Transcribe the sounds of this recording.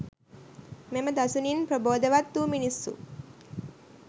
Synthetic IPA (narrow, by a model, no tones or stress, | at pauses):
meməd̪asuninpɾoboːd̪əʋat̪ːuminisːṵ